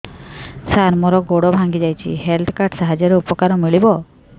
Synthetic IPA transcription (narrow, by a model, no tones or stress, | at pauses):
saɾmɔɾɔɡoɽɔbʱaŋɡid͡ʒajt͡ʃʰḭɦelt̪ʰkaɾʈsaɦad͡ʒɔɾeupɔkaɾɔmiɭibɔ